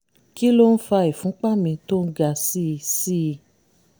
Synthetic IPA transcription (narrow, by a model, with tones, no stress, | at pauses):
ki˦lo˦n̩˦fa˧i˨fũ˨˦k͡pa˦mĩ˧to˦n̩˦ɡa˧si˦˧si˦˧